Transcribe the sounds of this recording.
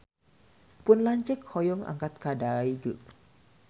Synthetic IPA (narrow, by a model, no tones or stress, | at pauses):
pʊnlaɲt͡ʃɛkhɔjɔŋa̰ŋkat̪̚kadaiɡəʔ